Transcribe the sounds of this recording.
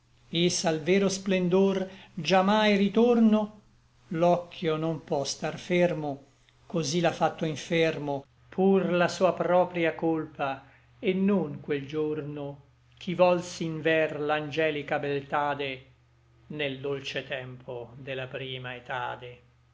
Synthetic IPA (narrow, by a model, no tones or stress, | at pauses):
esalvɛːɾosplend̪ord͡ʒamajrit̪orno | lɔkʰːjonompwɔst̪arfermo | kozilafːat̪ːoiɱfermo | pʰurlasuːapɾɔːpɾjakolpa | enːoŋkweld͡ʒorno | k̟ʰivɔlsiiɱvɛrland͡ʒɛːlikabelt̪aːd̪e | neld̪olt͡ʃet̪ɛmpʰod̪elapɾiːmaet̪a̰ːd̪e